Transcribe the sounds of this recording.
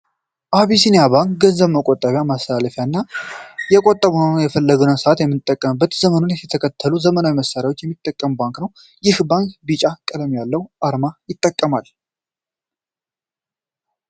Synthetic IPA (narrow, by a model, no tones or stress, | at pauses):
ʔaβisinejabaŋkɡəzːəβməkʼot̪ʼːaβjamast̪ʰəlaləfjanːajɛkʼot̪ʼːəβunənjɛfəlːəɡɨnənsəʔat̪jɛmːɨnt̪ʼːəkʼːəmɨbːət̪zəmənonɛt̪ʰəkʰət̪ʰːəluzəmənawiməsːaɾjawo̞t͡ʃːjɛmːit̪ʼːəkʼːəmbaŋknəw | jɪhbaŋkbit͡ʃʼakʼːəd̪əmjalːəwʔaɾmajɪt̪ʼːəkʼːəmal